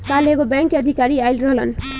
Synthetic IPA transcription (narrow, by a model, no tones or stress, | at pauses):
palekobaŋkʌd̪ʱikaɾiajlrolʌ̰n